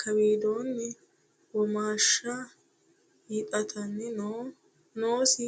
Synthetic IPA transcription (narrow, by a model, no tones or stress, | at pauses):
kʰɐbiːd̪oːnːɛ | wɔmaːʃːɐ | hiːtʼɐt̪ʰɐnːɪno | noːsɪ